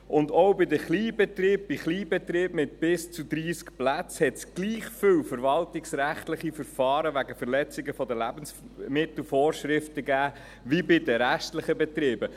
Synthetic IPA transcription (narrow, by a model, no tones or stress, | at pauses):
ʔʊndɔwbɪd̪əχliːbɛt̪ɾiːb̚b̥ɪχliːbɛt̪ɾiːbmɪt̪̚b̥ɪst͡sud̪ɾiːskplæt͡shɛtsɡ̥liːχfʏwfəɾvɑltɪksɾæχt̪lɪχifəɾfɑːɾəʋæɡəfəɾlɛt͡sɪɡəfɔd̪əlæbəns | mɪt̪l̩fɔːɾʃɾɪft̪əɡæː | ʋibɪd̪əɾæʃtləχəbɛt̪ɾiːbə